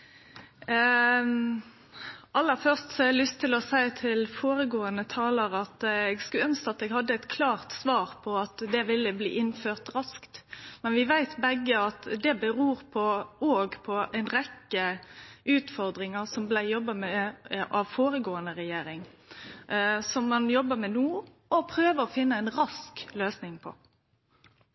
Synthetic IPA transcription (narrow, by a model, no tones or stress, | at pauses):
ʔɑlːəɾfœʁst̪sɔɛlʏst̪ʰːɪlɔsæɪt̪ʰɪlfoːɾəɡoːənət̪ʰɑːləɾɑt̪ɛɡskʉœnskəɑt̪ɛːɡhɑd̪ːəɛt̪kʰlɑːʁt̪sʋɑːɾpʰɔɑt̪d̪ɛʋɪlːəblḭːʔɪnføːʁt̪ɾɑskt̪mɛnʋɪʋæɪt̪bɛɡːəɑt̪d̪ɛbəɾuːɾpʰɔoːɡpʰɔæɪnɾɛkːəʉːt̪fɔɾd̪ɾɪŋəʁsɔmblæɪjɔbːɑmɛʔɑʋfoːɾəɡoːənəɾɛjeːɾɪŋ | sɔmːɑnjɔbːəmɛnuː | ɔpʰɾøːʋəɾɔfɪnːəæɪnɾɑskløːsnɪŋpʰɔ̰